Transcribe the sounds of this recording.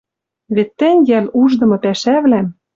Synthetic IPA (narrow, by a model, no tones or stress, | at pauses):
βet̪ːɘ̆nʲjæluʒd̪ɤ̆mɤ̆pæʃæβlæm